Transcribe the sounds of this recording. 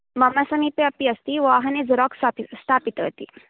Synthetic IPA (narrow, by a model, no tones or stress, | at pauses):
mɐmɐsɐmipeɐpiɐst̪iʋaːɦɐned͡zɾɔksaist̪ʰaːpit̪ə̰t̪ḭ